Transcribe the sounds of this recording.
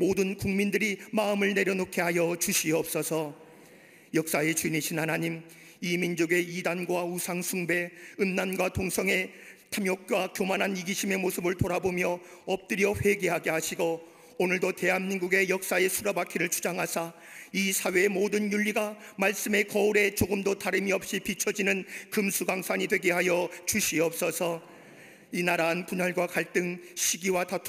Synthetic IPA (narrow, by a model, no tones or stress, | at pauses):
modɯnkuŋmindɯɾimaɯmɯɭne̞ɾjʌnokʰe̞ɦajʌt͡ɕuɕʰiʌp̚s͈ʌsʰʌ | jʌk̚s͈ae̞t͡ɕuniɕʰinhanaɲim | imind͡ʑoɡe̞idanɡwausʰaŋsʰuŋbe̞ɯnnanɡwatoŋsʰʌŋe̞ | tʰamjok̚k͈wakjomanɦaniɡiɕʰime̞mosʰɯbɯɭtoɾabomjʌ | ʌp̚t͈ɯɾjʌɸe̞ɡeɦaɡe̞ɦaɕʰiɡo | onɯɭdote̞ɦanminɡuɡe̞jʌk̚s͈ae̞sʰuɾabakʰiɾɯɭt͡ɕʰu̥d͡ʑaŋɦasʰa | isʰawe̞ːmodɯnjuʎːiɡamaɭs͈ɯme̞kʌuɾe̞t͡ɕoɡɯmdotaɾɯmiʌp̚ɕ͈ipit͡ɕʰʌd͡ʑinɯnkɯmsʰuɡaŋsʰaɲidwe̞ɡeɦajʌt͡ɕuɕʰiʌp̚s͈ʌsʰʌ | inaɾaːnkunaɭɡwakaɭt͈ɯŋɕʰiɡiwatatʰ